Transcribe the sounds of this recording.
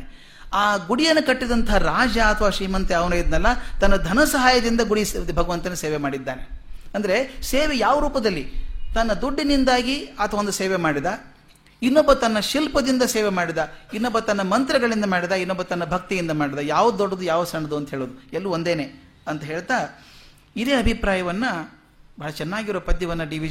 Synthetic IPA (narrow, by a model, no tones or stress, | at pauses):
aːɡuɽijɐnːɐkɐʈːid̪ɐnt̪ɐɦaɾaːd͡ʒjaːt̪ʰɐʋaːʃɾiːmɐnt̪eɐʋnɐjid̪nɐlːɐt̪ɐnːɐd̪ʱɐnɐsɐɦaːjɐd̪ind̪ɐɡuɽisbʱɐɡɐʋɐnt̪ɐnːuseːʋemaːɽid̪ːaːne̞ɐnd̪ɐɾe̞seːʋejaːʋɐɾuːpɐd̪ɐlːit̪ɐnːɐd̪uɖːinind̪aːɡiɐt̪ʰɐʋond̪useːʋemaːɽid̪aː | inːɔbːɐt̪ɐnːɐʃilpɐd̪ind̪ɐseːʋemaːɽid̪aːinːɔbːɐt̪ɐnːɐmɐnt̪ɾɐɡɐɭind̪ɐmaːɽid̪aːinːɔbːɐt̪ɐnːɐbʱɐk̚t̪ijind̪ɐmaːɽid̪aːjaːʋɐd̪ɔɖːɐd̪ujaːʋɐsɐɳːɐd̪uɐnt̪ɐɦeːɭoːd̪uelːuond̪eːneː | ɐnt̪ɐɦe̞ːɭt̪aː | iɾeɐbʱipɾaːjɐʋɐnːɐ | bɐːɭɐt͡ʃɛnːaːɡiɾopɐd̪jɐʋɐnːɐɖiʋi